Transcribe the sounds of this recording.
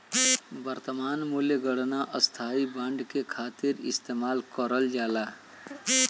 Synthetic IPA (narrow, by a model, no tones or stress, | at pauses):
bəɾt̪əmaːnmuljəɡəɽnaʔəst̪ʰaːibə̃ɳɖkekʰaːt̪ɪɾɪ̰st̪eːmaːlkəɾəld͡ʒaːlaː